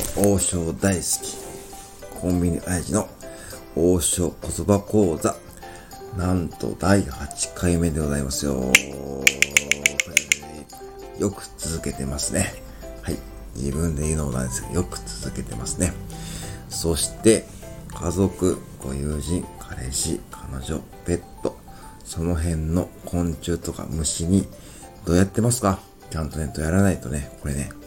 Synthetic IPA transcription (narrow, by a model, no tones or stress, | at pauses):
oːɕo̞ːd̪aisɨ̥kʲi̥ | kʰõ̞mbʲiɲ̟iʔaiʑino̞ | oːɕo̞ːko̞t̪o̞bako̞ːza | nãnt̪o̞̰d̪aihat͡ɕi̥kʰaime̞d̪eɡo̞zaimasɨjo̰ | kɾe | jo̞kɯ̟̥t͡sɨzɨke̞t̪e̞masɨne̞ | hai | d͡ʑḭbɯ̟̃nd̪e̞iɯːnoːnã̰nd̪e̞sɨɡa̰jo̞kɯ̟̥t͡sɨzɨke̞t̪e̞masɨne̞ | so̞ɕi̥t̪e̞ | kʰazo̞kɯ̟ɡ̥o̞jɯːʑĩŋkʰaɾe̞ɕikʰanaʑo̞ | pe̞t̪ːo̞ | so̞no̞ɦẽ̞nːo̞kʰõ̞ɲ̟t͡ɕɨːt̪o̞ka̰mɯ̟ɕiɲ̟i | d̪̥o̞ːjat̪ːe̞masɨ̥ka | t͡ɕãnt̪o̞net̪o̞jaɾanait̪o̞ne̞ko̞ɾe̞ne̞